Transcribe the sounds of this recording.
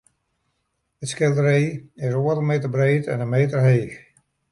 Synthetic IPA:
ətskɪlˠdəɾeːɪsoəɾəmeːtərbreːtɛ̰nəmeːtərɦeːx

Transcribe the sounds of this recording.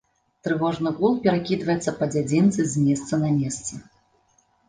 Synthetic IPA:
t̪ɾɨvɔʐnɨɣulˠpʲɛɾakʲid̪vɐjɛt̪sːɐpɐd͡zʲad͡zʲint̪sɨzʲmʲɛst̪sɐnɐmʲɛst̪sɐ

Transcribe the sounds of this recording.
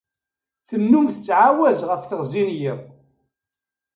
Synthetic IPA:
θənːumθət͡sːʕawæzʁəfθəʁzinjiʁ

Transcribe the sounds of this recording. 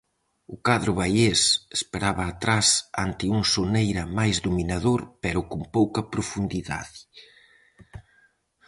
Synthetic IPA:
ʊkaðɾʊβajesespeɾaβɐːt̪ɾasant̪ɪuŋsonejɾɐmajzðominaðoɾpɛɾʊkʊmpowkɐpɾofund̪iða̰ðɪ

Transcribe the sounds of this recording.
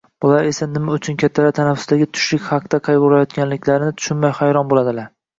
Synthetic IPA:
b̥ʊlaɾe̞sanɪmaʊt͡ʃʰʊnkʲat̪ʰːalat̪ʰanafʊ̥sd̪aɡʲɪt̪ʰʊ̥ʃlɪkʲχɑqd̪̥aqʰɑjbʊlajɒt̪kʲanlɪkʲʰlaɾɪnɪt̪ʰʊ̥ʃɪnmajhajɾɒnbolad̪ɪlaɾ

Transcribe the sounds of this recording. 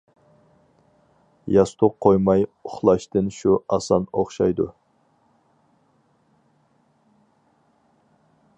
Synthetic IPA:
jɑst̪ʰʊqqʰːojmɑjʊχlˠɑʃt̪ɨnʃuɑsɑnoχʃɑjd̪ṵ

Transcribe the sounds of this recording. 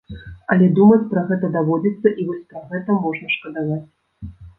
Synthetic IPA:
ɐlʲɛd̪umɐt͡sʲpɾɐɣɛt̪ɐd̪avɔd͡zʲit̪sːɐʔivɔsʲpɾɐɣɛt̪ɐmɔʐnɐʂkɐd̪avat͡sʲ

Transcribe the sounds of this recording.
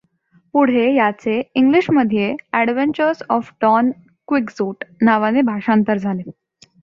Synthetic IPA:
puɽ̤ejat͡seiŋɡliɕməd̪ʱjeæɽʋeɲt͡ɕəɾsɔfɖɔn | kʋiksuːʈnaʋanebʱaʂant̪əɾd͡zʱale

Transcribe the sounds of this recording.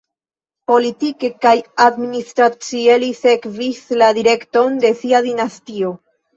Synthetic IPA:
po̞litike̞kajadministɾat͡sielise̞kvisladiɾe̞kto̞nde̞siadinastio̞

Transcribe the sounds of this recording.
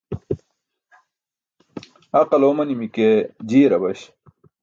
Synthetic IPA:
ɐqɐloːmɐnimiked͡ʑiːɾɐbɐɕ

